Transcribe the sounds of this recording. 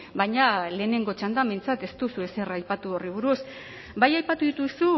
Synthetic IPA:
baɲale̞ːne̞ŋɡo̞t͡ʃand̪ambejnt͡sat̪e̞st̪usue̞se̞rajpat̪uoriβ̞uɾus | bajajpat̪uðit̪usu

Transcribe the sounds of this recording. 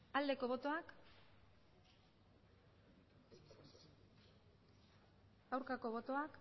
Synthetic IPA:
ald̪e̞ko̞βo̞t̪o̞ak | ɡawɾkako̞βo̞t̪o̞ak

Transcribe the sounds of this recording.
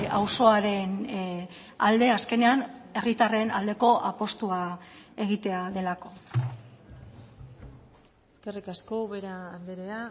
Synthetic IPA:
awso̞aɾe̞n | ald̪e̞aske̞ne̞ane̞rit̪are̞nald̪e̞ko̞ʔapo̞st̪uae̞ɣ̞it̪e̞aðe̞lako̞ | eske̞rikaskoβeɾaːnd̪eɾea

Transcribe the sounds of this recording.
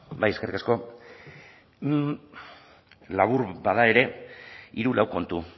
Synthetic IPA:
bajeske̞rikasko̞ | laβuɾbaðae̞ɾe̞iɾulawko̞nt̪u

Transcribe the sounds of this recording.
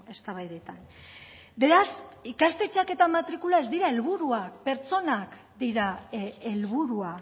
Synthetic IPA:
e̞st̪aβajðe̞t̪an | be̞ɾasikast̪e̞t͡ʃake̞t̪amat̪ɾikulae̞zd̪iɾae̞lβuɾuakpe̞ɾt͡so̞nak | d̪iɾaelβuɾua

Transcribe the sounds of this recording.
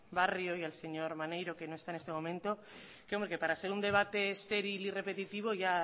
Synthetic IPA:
barjo̞ialse̞ɲo̞ɾmanejɾo̞ke̞no̞esaenest̪e̞mo̞mẽnt̪o̞ | keo̞mbɾe̞ke̞paɾase̞ɾund̪e̞β̞at̪e̞ːst̪e̞ɾilire̞pe̞t̪it̪iβ̞o̞ʝa

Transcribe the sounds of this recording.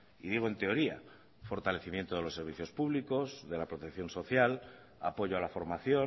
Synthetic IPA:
iðiɣ̞oe̞nt̪e̞o̞ɾia̰ | fo̞ɾt̪ale̞θimje̞nt̪oð̞e̞lo̞sːe̞ɾβiθjo̞spuβliko̞zðe̞lapɾot̪ekθjo̞nso̞θjal | apo̞ʝoalafo̞ɾmaθjo̞

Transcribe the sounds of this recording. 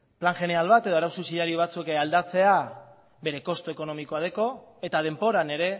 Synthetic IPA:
plaŋʝe̞ne̞alβat̪e̞ð̞o̞aɾawsusiðaɾioβ̞at͡suekeald̪at͡se̞a | be̞ɾe̞ko̞st̪oeko̞no̞miko̞aðe̞ko̞e̞t̪að̞e̞mpo̞ɾane̞ɾe̞

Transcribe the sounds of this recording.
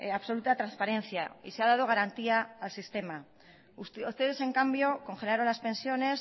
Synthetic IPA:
aβso̞lut̪at̪ɾanspaɾẽ̞nθjaḭseaðað̞o̞ɣ̞aɾant̪iaːlsist̪e̞ma | ust̪e̞ð̞e̞se̞ŋkambjo̞ko̞ŋxe̞laɾo̞nlaspe̞nsjo̞ne̞s

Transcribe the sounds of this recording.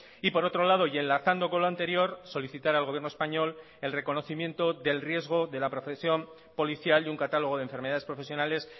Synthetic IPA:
ipo̞ɾo̞t̪ɾo̞laðo̞je̞nlaθand̪o̞ko̞nloant̪e̞ɾjo̞ɾso̞liθit̪aɾalɣojenoespaɲo̞l | e̞lre̞ko̞no̞θimje̞nt̪o̞ðe̞lrje̞zɣ̞o̞ðe̞lapɾo̞fesjo̞m | po̞liθjaluŋkat̪alo̞ɣ̞o̞ðeɱfe̞ɾme̞ðaðepɾo̞fe̞sjo̞nale̞s

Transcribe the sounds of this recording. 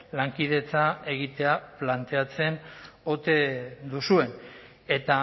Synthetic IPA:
laŋkiðe̞t͡sae̞ɣ̞it̪e̞aplant̪e̞at͡se̞no̞t̪e̞d̪usue̞n | e̞t̪a

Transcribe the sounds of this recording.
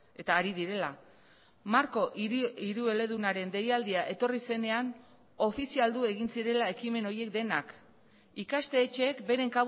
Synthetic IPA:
e̞t̪aːɾið̞iɾe̞la | maɾko̞ʔiɾue̞le̞ð̞unaɾe̞nd̪e̞jald̪iaʔe̞t̪o̞rise̞ne̞an | o̞fisiald̪ue̞ɣinsiɾe̞lae̞kime̞no̞ɾje̞k̚d̪e̞nak | ikast̪e̞ːt͡ʃe̞ːkbe̞ɾe̞ŋka

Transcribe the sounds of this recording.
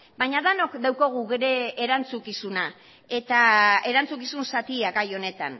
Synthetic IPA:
bajɲaðano̞kd̪awkoɣ̞uɣeɾe̞ːɾant͡sukisuna | e̞t̪ae̞ɾant͡sukisunsat̪iaɡajo̞ne̞t̪a̰n

